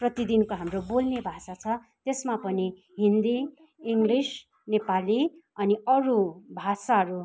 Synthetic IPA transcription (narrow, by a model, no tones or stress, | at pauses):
prʌt̪id̪inkoɦamrobolnebʱasat͡sʰʌ | t̪esmapʌni | ɦind̪i | iŋɡlis | nepaliʌniʌɾubʱasaɦʌɾu